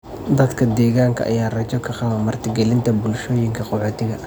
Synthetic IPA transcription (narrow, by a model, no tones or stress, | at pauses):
d̪ɐd̪kʰɐd̪ɛːɣaːŋkʰɐ̰ʔɐ̰jaːrɐt͡ʃɔkʰɐqɑβɐmɐrt̪ʰɪɡɛlɪnt̪ʰɐbʊlʃɔːjɪŋkʰɐqɔħoːt̪ʰɪɣɐ